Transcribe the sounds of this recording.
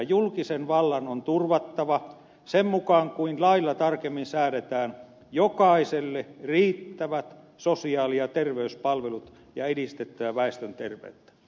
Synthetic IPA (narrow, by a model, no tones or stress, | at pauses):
julkisenʋɑlːɑnont̪urʋɑt̪ːɑʋɑ | semmukɑːŋkuinlɑilːɑt̪ɑrkemːinsæːɾet̪æːn | jokɑiselːeriːt̪ːæʋæt̪ | sosiɑːliɑt̪erʋeyspɑlʋelut̪ | jɑedist̪et̪ːæʋæʋæest̪ønt̪erʋḛːt̪ːæ̥